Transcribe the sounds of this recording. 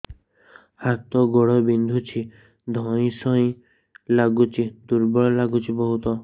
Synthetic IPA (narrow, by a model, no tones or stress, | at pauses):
hat̪ɔɡɔɽɔbind̪ʱut͡ʃʰi | d̪ʱɔ̃ĩsɔĩ | laɡut͡ʃʰid̪uɾbɔɭɔlaɡut͡ʃʰibɔɦut̪ɔ